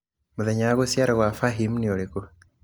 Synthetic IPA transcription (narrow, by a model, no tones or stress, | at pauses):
muðeɲaɣosjaɾaɣwafaɦimnioleku